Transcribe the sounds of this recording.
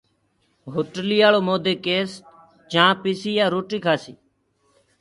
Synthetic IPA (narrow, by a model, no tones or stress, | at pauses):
ɦʊʈliːaːloːmoːd̪eːkeːs | t͡ʃãːpɪsiːjaːɾoːʈiːkʰaːsiː